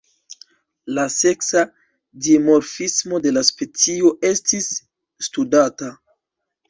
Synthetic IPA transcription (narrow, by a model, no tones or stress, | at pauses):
lase̞ksa | dimo̞ɾfismo̞de̞laspe̞t͡sio̞ʔe̞stisː | tudata